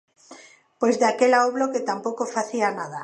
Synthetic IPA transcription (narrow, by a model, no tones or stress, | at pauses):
pwezðakelaoβloket̪ampokofaθianaða